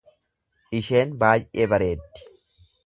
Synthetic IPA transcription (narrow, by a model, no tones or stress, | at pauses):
ʔɪʃe̞ːnbaːjʔḛːbɐɾe̞ːt̪ːɪ̥